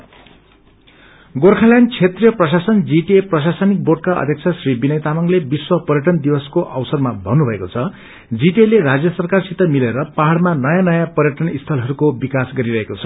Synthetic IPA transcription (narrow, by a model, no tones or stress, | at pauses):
ɡorkʰaljant͡sʰet̪rijʌprʌs̬asʌnd͡ziʈeprʌsasʌnik̚borɖ̚kaʌ̰d̪ʱjʌk̚t͡sʰʌsribinʌjt̪amʌŋlebiswʌpʌrjʌʈʌnd̪ibʌskoʔʌwsʌrmabʱʌnubʱʌekot͡sʰʌ | d͡ziʈelerad͡zjʌsʌrkarsit̪ʌmileɾʌpaɦaɽmanʌjanʌjapʌrjʌʈʌnist̪ʰʌlɦʌɾukobikasɡʌɾiɾʌɦekot͡sʰʌ̥